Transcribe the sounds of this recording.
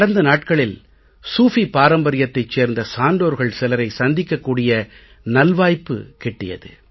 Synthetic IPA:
ɐɽɐɾnd̪ɐnaːʈ̚kɐɭɪl | suːfipaːɾɐmbɐɾɪjɐt̪ːɐɪt͡ʃːeːɾnd̪ɐsaːɳɖoːɾɣɐɭsɛlɐɾɐɪsɐnd̪ɪkːɐkːuːɽɪjɐ | nɐlʋaːjpːɯ̰kɪʈːɪjɐ̰ðɯ̰

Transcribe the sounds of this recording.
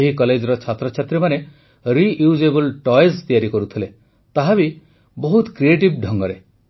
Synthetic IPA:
eɦikɔled͡ʒɔɾɔt͡ʃʰat̪ɾɔt͡ʃʰat̪ɾimane | ɾijud͡ʒebɔlʈɔjst̪ijaɾikɔɾut̪ʰile | t̪aɦabi | bɔɦut̪kɾieʈibɖʱɔŋɡɔɾe

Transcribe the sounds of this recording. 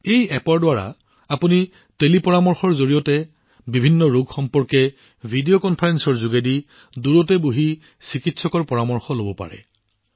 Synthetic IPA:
ejɛpɔɹdwaɹa̰ | apuni | telipɔɹamɔɹxɔɹzoɹijɔtɛ | bibʱinːɔɹuɡxɔmpɔɹkɛ | bʱidiokɔnpʰaɹɛnsɔɹzuɡedi | duɹɔtɛboɦi | sikitsɔkɔɹpɔɹamɔɹxɔlobɔpa̰ɹɛ̰

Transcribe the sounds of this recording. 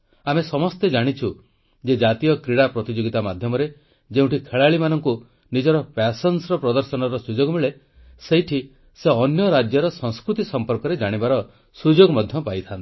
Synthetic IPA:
amesɔmɔst̪ed͡ʒaɽ̃it͡ʃʰu | d͡ʒed͡ʒat̪ijɔkɾiɽapɾɔt̪id͡ʒoɡit̪amad̪ʱjɔmɔɾe | d͡ʒeũʈʰikʰeɭaɭimanɔŋku | nid͡ʒɔɾɔpasɔnsɾɔpɾɔd̪ɔɾsɔnɔɾɔsud͡ʒoɡmiɭe | sejʈʰi | seɔnjɔɾad͡ʒjɔɾɔsɔ̃ŋskɾut̪isɔmpɔɾkɔɾed͡ʒaɽ̃ibaɾɔ | sud͡ʒoɡɔmɔd̪ʱjɔpajt̪ʰant̪i̥

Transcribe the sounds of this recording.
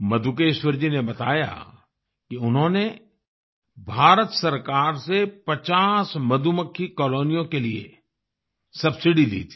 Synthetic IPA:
mɐd̪ʱukeːʃwəɾd͡ʒinebɐt̪aːja̰ | kiʊnɦõːne | bʱaːɾət̪sɐɾkaːɾsepɐt͡ʃaːsmɐd̪ʱuməkʰːikɔːloːnijõkeliḛ | sɐbsɪɖilḭːt̪ʰi̥

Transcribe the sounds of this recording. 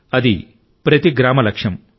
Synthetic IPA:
ɐd̪i | pɾɐt̪iɡɾaːmɐlɐkʂɐm

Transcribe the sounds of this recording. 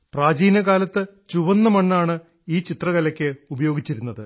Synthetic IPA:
praːd͡ʑiːnɐkaːlɐt̪ːɨ | t͡ɕuʋɐnːɐmɐɳːaːɳɨ | iːt͡ɕit̪rɐɣɐlɐkʲːɨubɐjo̞ːɡit͡ɕːiɾunːɐðɨ

